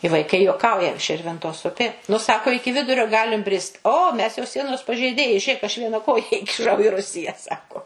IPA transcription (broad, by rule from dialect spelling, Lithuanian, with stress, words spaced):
ɪ ʋɐɪˈkɐɪ juɔˈkɐʊjɛ ˈʃʲɪrʲʋʲɪntoːs ˈʊpʲeː nʊ ˈsɑːkoː ˈɪkʲɪ ˈʋʲɪdʊrʲoː ˈɡɑːlʲɪm ˈbʲrʲɪst oː ˈmʲɛs jɛʊ ˈsʲiɛnoːs pɐʒʲɛɪˈdʲeːjɛɪ ˈʒʲeːk ˈɐʃ ˈʋʲiɛnɐ ˈkoːjɛ ɪkʲɪˈʃɐʊ ɪ ˈrʊsʲɪjɛ ˈsɑːkoː